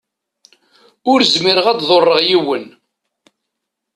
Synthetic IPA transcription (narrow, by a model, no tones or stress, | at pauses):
ʊɾzmiɾəʁæd̪ðˤorˤːəʁjiwən